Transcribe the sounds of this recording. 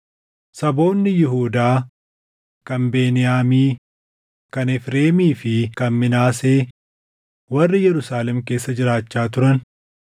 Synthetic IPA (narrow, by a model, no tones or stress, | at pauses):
sɐbo̞ːnːɪjɪɦuːd̪aː | kɐmbe̞ːnɪjaːmiː | kɐnɛfɾe̞ːmiːfɪkɐnmɪnaːse̞ː | wɐrːɪjɛɾʊsaːlɛmke̞ːsːɐd͡ʒɪɾaːt͡ʃːaːt̪̬ʊɾɐn